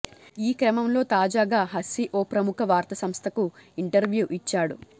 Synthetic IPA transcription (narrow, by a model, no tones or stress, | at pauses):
iːkɾɐmɐmlo̞ːt̪aːd͡ʒaːɡaːɦɐsiʔoːpɾɐmukʰɐʋaːɾt̪ɐsɐmst̪ʰɐkuiɳʈɐɾʋjuːʔit͡ʃːaːɽṵ